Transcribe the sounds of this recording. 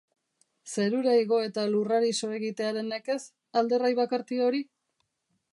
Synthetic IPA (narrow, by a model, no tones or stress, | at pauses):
se̞ɾuɾaiɣo̞e̞t̪aluraɾiso̞e̞ɣit̪e̞aɾe̞neke̞s | ald̪e̞rajβakaɾt̪io̞ɾi